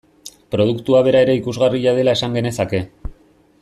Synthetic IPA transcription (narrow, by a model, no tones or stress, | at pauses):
pɾo̞ð̞ukt̪uaβ̞e̞ɾae̞ɾe̞ikuzɣariʎað̞e̞lae̞saŋɡe̞ne̞sake̞